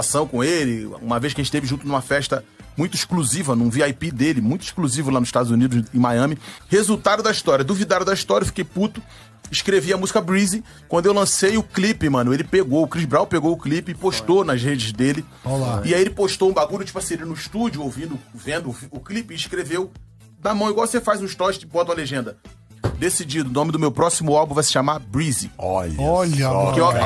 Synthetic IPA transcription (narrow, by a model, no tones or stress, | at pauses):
asɐ̃w̃kõelɪṵ̃mɐvejʃkɐʒẽt͡ʃɪt̪evɪʒũt̪ʊnũmɐfɛʃt̪ɐmũj̃t̪ʊiʃkluzivɐnũviajpid̪elɪmũj̃t̪ʊi̥ʃkluzivʊlanʊziʃt̪ad̪ʊzũnid̪ʊzẽmajɐ̃mɪhezut̪ad̪ʊd̪ɐiʃt̪ɔɾiɐd̪uvid̪ad̪ʊd̪ɐiʃt̪ɔɾɐewfi̥kejput̪ʊ | iʃkɾeviɐmuzikɐbɾizi | kwɐ̃nd̪ʊewlɐ̃sejʊklipɪmɐ̃nʊelɪpeɡoʊkɾizbɾawpeɡoʊklipɪpoʃt̪onɐʃhed͡ʒɪzd̪elɪ | olaɪaielɪpoʃt̪oũbaɡuʎʊt͡ʃi̥pʊɐseɾɪnʊiʃt̪ud͡ʒʊowvĩnd̪ʊvẽnd̪ʊvʊklipɪːʃkɾevew | d̪amɐ̃w̃iɡwawsefajzũɪʃt̪ɔʃɪbɔt̪ɐw̃ɐleʒẽnd̪ɐ | d̪esid͡ʒid̪ʊnõmɪd̪ʊmewpɾɔsimʊawbũvajsɪ̥ʃamabɾiziɔ̰ʎɐɔʎɐpʊkeɔ